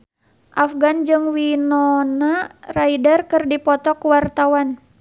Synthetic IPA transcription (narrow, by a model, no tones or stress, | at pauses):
ʔafɡand͡ʒɨŋwinɔnaraidərkɨrdipɔt̪ɔkuwart̪awan